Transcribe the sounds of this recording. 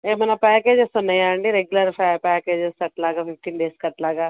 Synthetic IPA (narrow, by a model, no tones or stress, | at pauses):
eːmɐnapɛːkeːd͡ʒesonɐĩaːɳɖiɾeɡjʊləɾpʰɛːpɛːkeːd͡ʒesɐʈlaːɡaːpʰɪfʈiːnɖeːskɐʈlaːɡaː